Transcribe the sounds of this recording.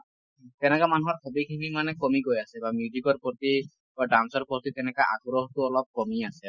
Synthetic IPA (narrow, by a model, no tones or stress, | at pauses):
t̪ɛnɛkamanuɦɔɹkʰɔbikʰimimanɛkɔmiɡojasɛbamjuzikɔɹpɾɔt̪i | baɖansɔɾpɔt̪it̪ɛnɛkaʔa̰ɡɾɔɦɔt̪uɔlɔp̚kɔmiasɛ